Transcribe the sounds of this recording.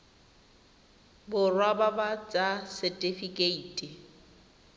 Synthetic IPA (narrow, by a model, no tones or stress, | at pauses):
bʊrwababat͡sʼasɛtʼifikʼeiːtʼi